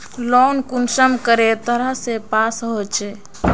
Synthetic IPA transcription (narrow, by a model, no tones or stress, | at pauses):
lɔnkunsəmkəɾet̪əɾəɦsepasɦot͡ʃʰe